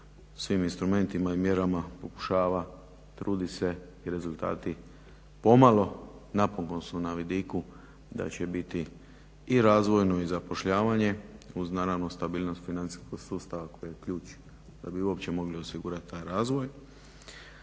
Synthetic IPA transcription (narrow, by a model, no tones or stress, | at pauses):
sʋiːminst̪ɾume̞nt̪imaimje̞ɾamapo̞ku̥ʃaːʋa | t̪ɾuːd̪ise̞ | iɾe̞zulˠt̪a̰ːt̪i | po̞malo̞napoŋko̞nsunaʋid̪iku | d̪a̰t͡ɕe̞bit̪iː | ɾaːzʋo̞jno̞izapo̞ʃʎaːʋaɲe̞uznaːɾaʋnost̪abiːlno̞st̪finant̪si̥sko̞ɡ̥suːst̪aʋako̞jijekʎuːt͡ʃ | d̪abiuo̞pt͡ɕe̞mo̞ɡlio̞siɡuɾat̪̚t̪ːajɾaːzʋoj